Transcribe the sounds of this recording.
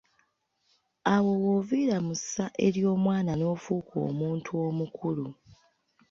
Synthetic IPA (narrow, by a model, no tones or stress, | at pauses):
awo̞woviɾamusaʔe̞ɾjo̞ːmwaːnano̞ːfuːkʰo̞̰ːmuːntʰuo̞mukʰulu